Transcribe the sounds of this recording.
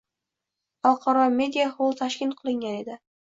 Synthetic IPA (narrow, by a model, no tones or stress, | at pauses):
ɒlˠqʰɑɾɒme̞d̪ʲijaholˠt̪ʰaʃkʲɪnqʰɨlˠɪŋɡʲane̞d̪ɪ